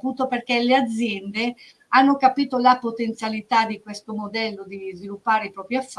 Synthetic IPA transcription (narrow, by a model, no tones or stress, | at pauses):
puːt̪operk̟elead̪zːjɛnd̪e | anːokapiːt̪olapot̪ent̪sjalit̪ad̪ikwest̪omod̪ɛlːod̪izvilupːaːɾeipɾɔːpɾiafː